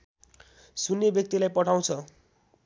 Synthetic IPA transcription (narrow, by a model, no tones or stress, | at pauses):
sunːebjʌk̚t̪ilajpʌʈʰaw̃t͡sʰʌ